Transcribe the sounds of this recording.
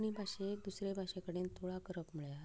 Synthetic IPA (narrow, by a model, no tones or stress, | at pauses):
ñibʱaɕed̪usɾebʱaɕekəɽiːnt̪ʰoɭakəɾəpməɭja